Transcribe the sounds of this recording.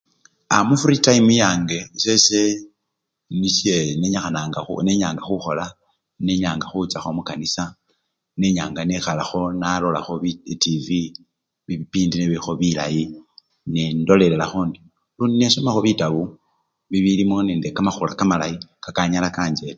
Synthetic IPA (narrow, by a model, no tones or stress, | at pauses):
a̰mufɾitaimujaːŋɡe̞sese | nisjeneɲaxanaːŋɡaṵneɲaːŋɡaxuxo̞la | neɲaːŋɡaxut͡saxo̞mukanisa | ne̞ɲaːŋɡanexalaxo̞nalo̞la̰xo̞βitivi | βiβipiːndineβixo̞βila̰ji | nendo̞lelelaxoːndi | luːndinesomaxo̞βitaβu | βiβilimo̞neːndekamaxulakamalaikakaɲalakaːɲd͡ʒe̞le